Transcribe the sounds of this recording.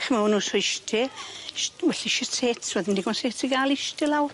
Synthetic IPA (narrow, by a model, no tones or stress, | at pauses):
χmawnuːsɔɪʃtʰɪʃwɛɬiʃɪtʰeːtʰwɛðɪndiɡɔnseːtʰiɡalɪʃtʰɪlawr